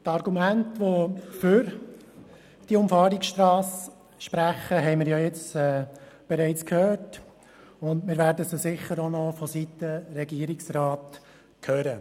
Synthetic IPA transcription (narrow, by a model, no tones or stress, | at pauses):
tɑɾɡumæntʋofʏɾ | d̥iʊmfɑːɾiksʃtɾɑːs | ʃpɾæχəɦɛɪmɪɾjajɛt͡sɛː | b̥ɛɾɛɪt͡skʰhøːɹt | ʊndmɪːɾʋæːɾdəsasɪχəɾonɔfɔsit̪əɾɛɡiːɾɪksɾɑːt̪ | kʰøːɾə